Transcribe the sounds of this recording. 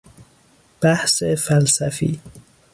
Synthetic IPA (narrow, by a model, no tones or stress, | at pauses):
b̥æhsefælsæfḭː